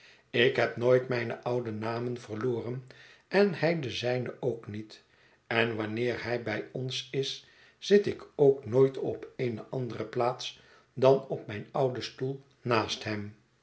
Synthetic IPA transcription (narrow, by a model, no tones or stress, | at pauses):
ɪkɦɛpnoːjtmɛjnə̰ʔʌwdənaːmənvərloːrən | ɛnhɛjdəzɛjnəowknit | ɛnʋɑnɪːɹhɛjbɛjɔnsɪs | z̥ɪtɪkowknoːjtʰɔ̰pejnəʔɑndərəplaːt̪s | dɑnɔp̚mɛjnʌwdəstulˠ | naːstɦɛm